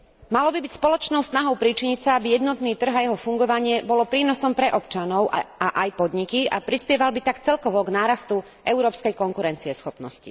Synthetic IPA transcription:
malɔbibicspɔlɔt͡ʃnɔʊst̪naɦɔʊpɾit͡ʃiɲicsaabijɛd̪nɔt̪niːt̪r̩ɣajɛɦɔfuŋɡɔʋaɲɪɛbɔlɔpɾiːnɔsɔmpɾɛʔɔpt͡ʃanɔʊʔaaʔajpɔd̪ɲikiapɾispɪɛʋalbit̪akt͡sɛlkɔʋɔɡnaːɾast̪u | ʔɛʊɾɔːpskɛjkɔŋkuɾɛnt͡siɛsxɔpnɔ̰scḭ

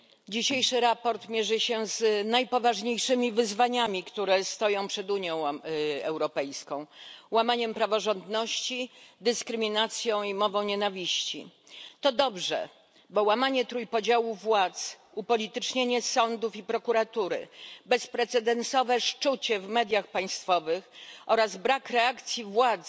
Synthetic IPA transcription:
d͡ʑiɕejʂɘɾapɔɾt̪mʲjeʐɘɕɛznajpɔvaʐɲejʂɘmʲivɘzvaɲamʲikt̪uɾɛst̪ɔjɔ̃w̃pʂɛd̪uɲjɔ̃w̃ɛwɾɔpɛjskɔ̃w̃wamaɲɛmpɾavɔʐɔnd̪nɔɕt͡ɕid̪ɘskɾɘmʲinat̪sʲjɔ̃w̃imɔvɔ̃w̃ɲenavʲiɕt͡ɕḭ | t̪ɔd̪ɔbʐɛ̰ | bɔwamaɲɛt̪ɾujpɔd͡ʑawuvwat̪s | upɔlʲit̪ɘt͡ʂɲeɲɛsɔnd̪ufipɾɔkuɾat̪uɾɘ̰bɛspɾɛt̪sɛd̪ɛnsɔvɛʂt͡ʂut͡ɕɛvmɛd̪ʲjaxpaj̃st̪fɔvɘxʔɔɾazbɾakɾɛakt̪sʲjivwat̪s

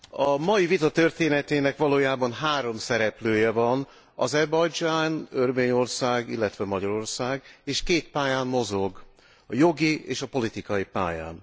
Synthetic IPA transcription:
ɒmɒjivit̪ɒt̪ø̞rt̪eːnɛt̪eːnɛkʋɒloːjaːbɒnɦaːɾo̞msɛɾɛpløːjɛvɒn | ɒzɛrbɒjd͡ʒaːnørveːɲo̞rsaːɡilːɛt̪ʋɛmɒɟɒɾo̞rsaːɡeːʃkeːt̪paːjaːmːo̞zo̞ɡ | ɒjo̞ɡieːʃɒpo̞lit̪ikɒjipa̰ːja̰ːn

